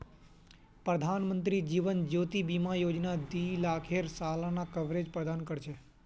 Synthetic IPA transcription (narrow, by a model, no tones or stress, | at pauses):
pɾəd̪ʱanmənt̪ɾid͡ʒiʋənd͡ʒot̪ibimajod͡ʒnad̪ilakʰeɾsalanakəʋɾed͡ʒpɾəd̪ankəɾt͡ʃʰe